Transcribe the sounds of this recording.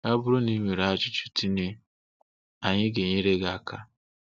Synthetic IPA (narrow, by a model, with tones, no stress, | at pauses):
a˦bʊ˦ɾʊ˦ni˦ŋʷe˨ɾa˦˨t͡ʃʊ˦t͡ʃu̥˦ti˦ne˦ | a˨ɲɪ˦ɡe˨ɲe˦ɾe˦ɡa˨ka˦